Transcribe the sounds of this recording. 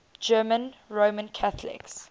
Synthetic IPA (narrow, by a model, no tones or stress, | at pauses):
d͡ʒɜːmə̃nɹomə̃nkʰaθlɪ̰ks